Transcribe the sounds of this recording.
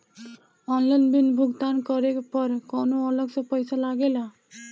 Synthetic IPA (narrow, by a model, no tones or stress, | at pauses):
ɔnlajnbinbʱuɡt̪ankɔɾekpɔɾkɔnoɔlɔksɔpɔjsalaɡela